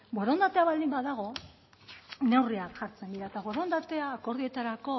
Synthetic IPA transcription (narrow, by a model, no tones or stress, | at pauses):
bweɾo̞nd̪at̪e̞aβald̪imbaðaɣ̞o̞ | ne̞wriakʝaɾt͡se̞nd̪iɾaet̪aβoɾond̪at̪e̞ako̞ɾð̞ie̞t̪aɾako̞